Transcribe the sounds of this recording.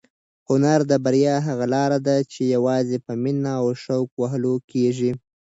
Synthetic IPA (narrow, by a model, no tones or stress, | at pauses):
hʊnaɾd̪əbaɾjɑɦaɣalɑɾad̪at͡ʃejawɑzepəminaːwʃawkwaɦəlokeʒi